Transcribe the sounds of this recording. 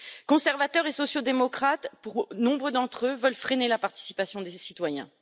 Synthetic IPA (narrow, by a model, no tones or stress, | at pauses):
kɔ̃sɛʁvat̪œʁesɔsjod̪emɔkχat̪puʁnɔ̃bʁəd̪ɑ̃t̪χøvœlfχenelapaʁt̪i̥sipasjɔ̃d̪esit̪wajɛ̰̃